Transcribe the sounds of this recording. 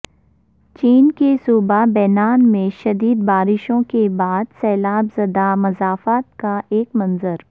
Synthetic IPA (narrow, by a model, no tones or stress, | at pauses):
t͡ʃiːnkesuːbabɛːnaːnmẽʃɐd̪iːd̪baːɾɪʃõkebaːd̪sɛːlaːbzɐd̪amɐzaːfaːt̪̚kaʔeːkmɐ̃nzəɾ